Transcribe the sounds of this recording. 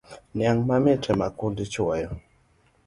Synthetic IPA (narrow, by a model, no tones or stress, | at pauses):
njaŋmamitʰɛmakundit͡ʃɔjɔ